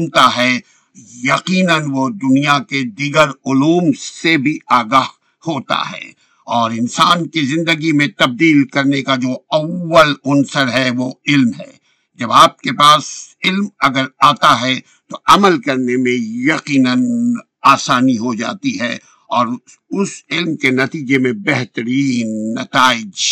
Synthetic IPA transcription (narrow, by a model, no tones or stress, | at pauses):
nt̪aɦɛ | jɐqiːnənʋod̪ʊnijaked̪iːɡəɾʊluːmsebʱiaːɡaːɦ | hoːt̪a̰ɦɛ̰ː | ɔːɾɪnsaːnkizɪ̃nd̪əɡimẽt̪ɐb̚d̪iːlkɐɾnekad͡ʒoːɐwːəlʊnsəɾɦɛʋoɪlmɦɛː | d͡ʒɐbaːp̚kepaːsɪlmɐɡəɾaːt̪aɦɛ | t̪oɐməlkɐɾnemẽjɐqiːnən | aːsaːniɦod͡ʒa̰ːt̪iɦɛː | ɔːɾ | ʊsɪlmkenɐt̪iːd͡ʒemẽbɛɦt̪ɾiːnːɐ̰t̪aːɪd͡ʒ